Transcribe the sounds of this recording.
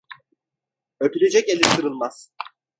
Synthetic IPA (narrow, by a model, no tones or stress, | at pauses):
øt̪ʰylʲe̞d͡ʒɛcelʲisɯɾɯlˠmaz̥